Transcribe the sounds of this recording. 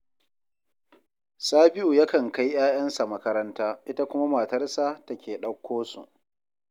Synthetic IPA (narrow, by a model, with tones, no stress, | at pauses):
saː˦bɪ˦ʔuː˨ja˦kɐ˨ŋka˦jj̰aː˦j̰ɐ˦nsa˨mɐ˦kɐ˦ɾɐ˦ntaː˦ʔɪ˦ta˦kʷʊ˦ma˦ma˨tɐ˦rsaː˦tɐ˦kʲeː˨ɗɐ˦kʷʰːoː˦sṵ˨ʔ